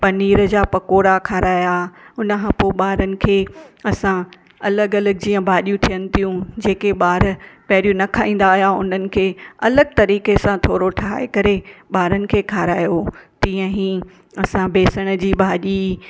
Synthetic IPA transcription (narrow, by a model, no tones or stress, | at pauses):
pɐniːɾəd͡ʑaːpɐkoːɾakʰaːɾaːjaʊnə̆kʰãːpoːɓaːɾənɪ̆kʰeːɐsã | ɐləɡɐləɡ̚d͡ʑiːə̃bʱaːɗijũt̪ʰijənɪt̪ʰijũd͡ʑeːkeɓaːɾpɐɦɪɾijũnɐkʰaːĩːn̆d̪aːɦijaʊn̤ənɪ̆kʰeːɐləɡ̚t̪ɐɾiːkesãt̪ʰoːɾoʈʰaɦa̰ːḛkɐɾeɓaːɾənɪ̆kʰeːkʰaːɾaːjot̪ĩːə̃ɦĩ | ɐsãbʱeːsəɽ̃d͡ʑiːɓʱaːɗi